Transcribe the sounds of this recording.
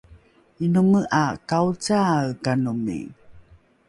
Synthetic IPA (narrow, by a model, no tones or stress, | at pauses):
inuməʔakaut͡sakanumḭ